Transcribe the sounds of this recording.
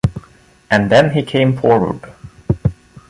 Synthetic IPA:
ʔɨ̃nðɛ̃nikʰẽɪ̃ɱfɔɹwə̰d̥

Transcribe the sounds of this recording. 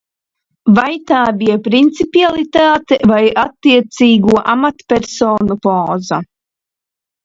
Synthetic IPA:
vajt̪aːbijɛpɾint̪sipialˠit̪aːt̪ɛvajʔat̪ːiɛt̪siːɡuɔʔamat̪pʲɛɾsoːnupoːza

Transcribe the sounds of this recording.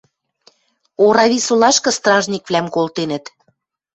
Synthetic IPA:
oɾɑβisulɑʃkɤ̆st̪rɑʒnʲikβlæmkolˠt̪enə̆t̪

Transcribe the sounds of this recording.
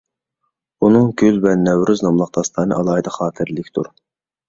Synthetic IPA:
unɨŋɡʲylvɛnɛwɾyznɑmlˠɑq̚d̪ɑst̪ʰˠɑnɨ̰ʔɑlˠɑːhɨd̪ɑχɑːt̪ʰɨɾlˠɪkʲt̪ʰuɾ

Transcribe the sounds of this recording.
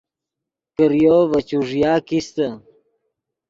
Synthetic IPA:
kəɾjovət͡ɕuʐjaːkist̪ə

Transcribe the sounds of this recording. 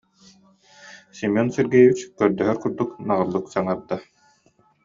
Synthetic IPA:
simɔnsɛɾɡɛjβit͡ɕkœɾd̪œɦœɾkuɾd̪uknaʁɯlˠːuksaŋaɾd̪a

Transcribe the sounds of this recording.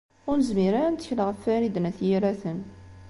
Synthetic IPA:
ʊɾnəzmiɾant̪ə̥çləʁəfːæɾid̪næθjiɾæθən

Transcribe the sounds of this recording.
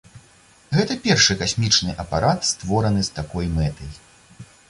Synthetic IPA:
ɣɛt̪ɐpʲɛrʂɨkasʲmʲit͡ʂnɨʔɐpaɾat̪st̪vɔɾɐnɨst̪akɔjmɛt̪ɐj

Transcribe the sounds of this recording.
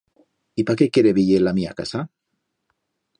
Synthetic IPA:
ipakekeɾeβiʝelamia̰kasa

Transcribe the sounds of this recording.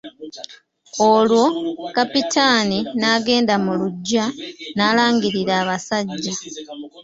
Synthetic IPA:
olwokapitaːninaːɡe̞ːndamuluɟːanaːlaːŋɡiɾiɾaːβasaɟːa

